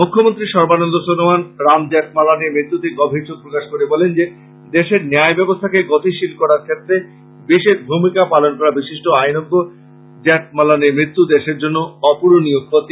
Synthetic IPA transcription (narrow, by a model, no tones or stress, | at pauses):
mukʰːomont̪ɾiʃɔɾbanɔnd̪osonomanɾamd͡ʑɛʈ̚malanemɾit̪ːut̪eɡɔbʱiɾt͡ɕok̚pɾokaʃkoɾebɔlend͡ʑe | d̪eʃeɾneaebɛbost̪ʰakeɡɔt̪iʃilkɔɾaɾkʰet̪ːɾe | biʃeɾbʱumikapalonkɔɾabiʃiʃʈoajnɔɡːo | d͡ʑɛʈ̚malanemɾit̪ːud̪eʃeɾd͡ʑonːoɔpuɾonijoɡ̚ʰːot̪